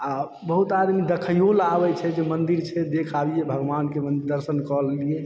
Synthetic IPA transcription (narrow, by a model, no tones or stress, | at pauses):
a | bəɦut̪ad̪mid̪əkʰəjolabɛt͡ʃʰɛd͡ʒemənd̪iɾt͡ʃʰɛd̪ekʰabijebʱəɡʋankemənɾd̪əɾsənkəlie